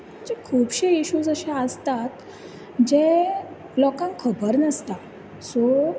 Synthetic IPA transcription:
d͡ʑekʰuːbɕeiɕud͡zəɕeəst̪at̪ | d͡ʑe | lɔkãŋkʰəbəɾnəst̪a | sɔ

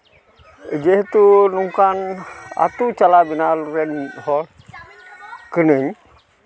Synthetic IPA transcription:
d͡ʒeht̪unuŋkana̰t̪ut͡ʃalabinaluɾɛnhɔl | kənəɲ

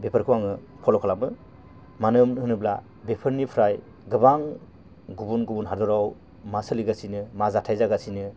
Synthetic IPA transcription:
bepʰəɾkʰuwaŋɯ | pʰɔlɔkʰalamɯ | manɯmhɯnɯbla̰ | bepʰɯɾnipʰɾaj | ɡɯbaŋ | ɡubunɡubunɦaɾdɔɾaw | masɯliɡasinɯmazatʰajzaɡasinɯ

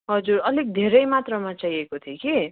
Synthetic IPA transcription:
ɦʌd͡zuɾʌlek̚d̪ʱeɾʌjmat̪rʌmat͡sajekot̪ʰiki

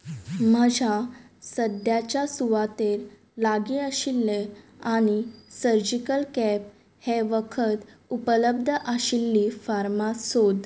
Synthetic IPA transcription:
m̤əd͡ʑʱa | səd̪jat͡ɕjasuʋat̪eɾ | laɡiəɕilːe | añisəɾd͡ʑikəlkɛp̚ | heʋəkʰət̪ | upələb̚d̪ʱəʔəɕilːifaɾmasod̪

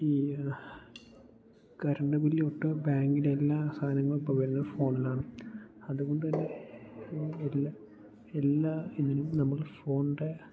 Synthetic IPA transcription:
iː | kɐɾɐɳɖɐbilːoʈːɨbaːŋɡileelːaːsʰaːnɐŋːɐɭupːɐmʋɐɾinːɐfo̞ːɳɐlaːɳɨɐðuɣoɳɖɨt̪ɐnːe̞ | elːa | elːainːinumnɐmːɐɭfo̞ːɳɖe

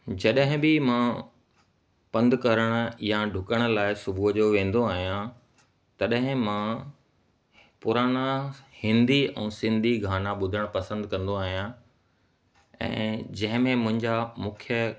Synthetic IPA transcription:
d͡ʑɐɗɦɪ̃bɪmã | pɐ̃nd̪kɐɾəɽ̃ə̆jaɖʱʊkəɽ̃ə̆laːɪsʊbʱud͡ʑoːʋẽːn̆d̪oaːɦijã | t̪ɐɗɦɪ̃mã | pʊɾaːɽ̃ahɪ̃nd̪ʱiɛ̰̃ːsɪ̃nd̪ʱiɡʱaːnaɓʊd̪ʱəɽ̃pɐsə̃nd̪kɐ̃nd̪oaːɦijã | ɛ̰̃ːd͡ʑɐ̃ɦɪ̃mẽmʊ̃ɦɪ̃ɲd͡ʑamʊ̃kʰjə

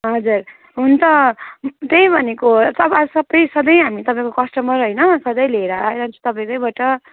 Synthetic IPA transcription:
ɦʌd͡zur | ɦunt̪ʰʌ | t̪ej̃bʱʌnekot̪ʌpasʌbːʌjsʌd̪ʌjɦamit̪ʌpaĩkokʌsʈʌmʌɾɦojnʌsʌd̪ʌjleɾajnʌnt͡sʰu̥t̪ʌpaĩkʌjbaʈʌ

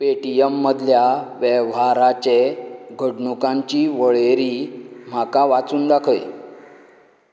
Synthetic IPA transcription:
peʈiemːəd̪ʱljaʋjɛʋaɾat͡ɕeɡʱəɽɳukãɲt͡ɕiːʋəɭeɾiːm̤akaʋat͡suːnɖakʰəj

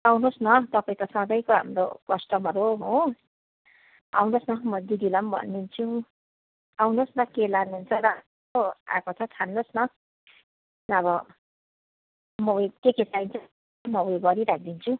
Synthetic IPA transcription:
awnosnʌt̪ʌpaĩt̪ʌsʌ̃d̪ʌjkoɦa̰mɾo̰kʌsʈʌmʌɾuɦõ | a̰wnosnʌmʌd̪id̪ilʌmbʱʌ̰nːint͡sʰu | awnosnʌkelanuunt͡sʰʌɾa | oa̰kot͡sʰʌt̪ʰanːosnʌ | nʌbʌ | mʌwekekesaint͡sʰ | mʌweɡʌɾiɾak̚ʰd̪int͡sʰũ

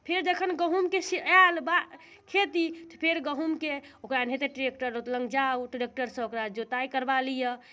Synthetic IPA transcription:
pʰeɾd͡ʒəkʰənɡəɦumkesialba | kʰet̪it̪ə̥pʰeɾɡəɦumkeokɾanɦet̪eʈɾek̚ʈəɾot̪lə̃ŋɡd͡ʒauʈɾek̚ʈəɾsə̃okɾad͡ʒot̪aikəɾbalijə

